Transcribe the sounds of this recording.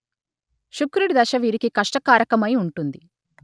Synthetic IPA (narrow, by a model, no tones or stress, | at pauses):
ʃukɾuɽid̪ɐʃɐʋiːɾikikɐʂʈɐkaːɾɐkɐmɐjuɳʈund̪i